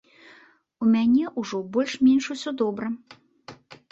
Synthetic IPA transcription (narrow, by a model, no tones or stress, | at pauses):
umʲanʲɛʔuʐɔbɔlʲʂmʲɛnʂusʲɔd̪ɔbɾɐ